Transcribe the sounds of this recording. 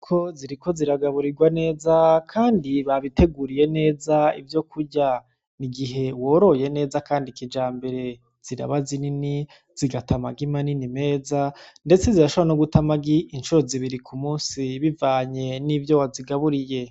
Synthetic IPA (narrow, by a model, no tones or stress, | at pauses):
kʰo̞ziɾiko̞ziɾaɡaβuɾiɡwane̞ːzakʰaːndiβaβite̞ɡuɾije̞ne̞ːzaivjo̞kuɾɟa | niɡiɦe̞wo̞ɾo̞je̞ne̞ːzakaːndikid͡ʒaːmbe̞ɾe̞ | z̥iɾa̰βazinini | z̥iɡatʰamaɡimaninime̞ːzande̞t͡se̞ziɾaʃoβaanoɡutamaɡiʔint͡ʃuɾo̞ziβiɾikʰumuːnsiβivaːɲe̞nivjowaziɡaβuɾije̞